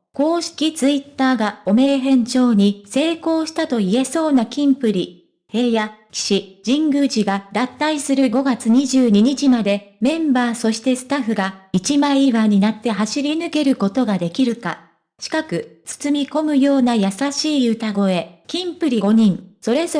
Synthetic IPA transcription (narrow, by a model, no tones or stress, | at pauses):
ko̞ːɕi̥kʲit͡sɨit̪ːaːɡao̞me̞ːɦẽ̞ɲ̟t͡ɕo̞ːɲ̟ise̞ːko̞ːɕi̥t̪at̪o̞ie̞so̞ːnakʲĩmpɯ̟ɾʲi | he̞ːjakʲi̥ɕid͡ʑĩŋɡɯʑiɡad̪at̪ːaisɨɾɯ̟ɡo̞ɡat͡sɨɲ̟iʑɨːɲ̟iɲ̟it͡ɕimad̪e̞mẽ̞mbaːso̞ɕi̥t̪e̞sɨ̥t̪aɸɯ̟ɡait͡ɕimaiiβaɲ̟inat̪ːe̞ɦaɕiɾʲinɯ̟ke̞ɾɯ̟ko̞t̪o̞ɡad̪e̞kʲiɾɯ̟ka | t͡ɕi̥kakɯ̟t͡sɨ̥t͡sɨmʲiko̞mɯ̟jo̞ːnajasaɕiːɯ̟t̪aɡo̞e̞kʲĩmpɯ̟ɾʲiɡo̞ɲ̟ĩɴso̞ɾe̞zo